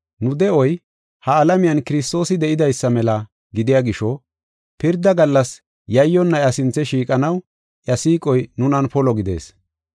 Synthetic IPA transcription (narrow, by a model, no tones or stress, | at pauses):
nʊd̪ɛɔj | hɐːlɐmɪjɐnkɪɾɪst̪o̞ːsɪd̪ɛʔɪd̪ɐjsːɐmɛlɐ | ɡɪd̪ɪjaɡɪʃɔ | pɪɾd̪ɐɡɐlːɐs | jɐjːɔnːɐjɐsɪnt͡sːɛʃiːkʼɐnɐw | ʔjɐsiːkʼɔjnʊnɐnpɔlɔɡɪd̪e̞̰ːs